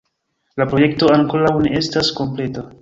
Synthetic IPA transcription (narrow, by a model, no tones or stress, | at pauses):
lapɾo̞je̞k̚to̞aŋko̞ɾawne̞ʔe̞stasko̞mple̞ta